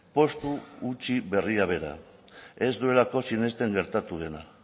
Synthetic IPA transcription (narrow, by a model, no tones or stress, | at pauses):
po̞st̪uːt͡ʃiβe̞riaβ̞e̞ɾa̰ | e̞zd̪ue̞lako̞sine̞st̪e̞ŋɡe̞ɾt̪at̪uð̞e̞na